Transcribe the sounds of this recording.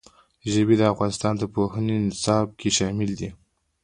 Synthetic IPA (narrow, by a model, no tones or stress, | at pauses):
ʒəbed̪əafɣɑnɪst̪ɑnd̪əpoɦənensɑb̚kʰeʃɑmɪld̪i